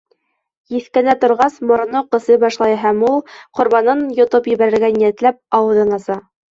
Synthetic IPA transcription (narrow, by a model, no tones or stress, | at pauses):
jiθkænæt̪ŏɾʁɑsmŏɾɤ̆nɤqɤ̆sɤbɑʃlˠɑjɑɦæmulˠqŏɾβɑnɤnjŏt̪opjɘ̆βæɾɘ̆ɾɡænijæt̪læp̚ɑwɤ̆ðɤnɑsɑ